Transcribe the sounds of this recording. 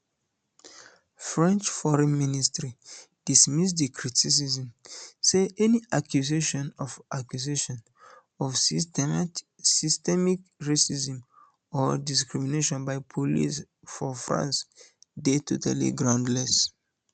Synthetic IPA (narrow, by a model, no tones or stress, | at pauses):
fɹɛ̃nt͡ʃfɔɹɛ̃nministɹi | d̥ismisdikʰɹitʰis̬izĩmseʔɛniʔakʰjuzeʃɔ̃nɔvakjuzeʃɔ̃n | ɔf | sistɛmikɹesizĩm | ɔdiskɹimineʃɔ̃nbaɪpʰolḭs | fɔfɹã̰nsdetʰotʰa̰lḭɡɹãʊ̃ndlɛs